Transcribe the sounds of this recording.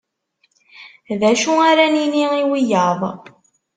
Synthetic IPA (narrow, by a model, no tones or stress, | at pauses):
ðæʃuaɾæniniiwijəðˤ